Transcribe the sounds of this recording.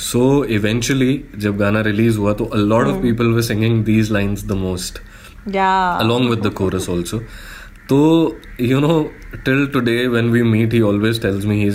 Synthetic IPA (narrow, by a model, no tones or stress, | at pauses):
soːɪʋɛ̃nt͡ʃəlid͡ʒɐb̚ɡaːnaɾɪliːzɦuat̪oʔəlɔːʈɔʋpiːpəlʋəɾsɪ̃ŋɡɪ̃ŋd̪iːzlãɪ̃nzd̪əmoːsʈ | jaəlɔ̃ːŋɡʋɪd̪ːəkʰoːɾəsɔːlsoː | t̪oː | junoː | ʈɪlʈʊɖeːʋɛ̃nʋiːmiːʈhiːɔːlʋeːzʈɛlzmiɦiːz